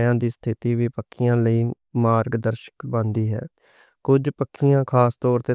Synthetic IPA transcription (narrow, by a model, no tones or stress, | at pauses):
jãːd̪iːst̪ʰɪt̪iːʋiːpəkʰːɪjãːləiː | maːɾɡd̪əɾʃə̥kbə̃nd̪iːɦɛ̰ː | kʊd͡ʒpəkʰːɪjãːkʰaːst̪ɔːɾt̪eː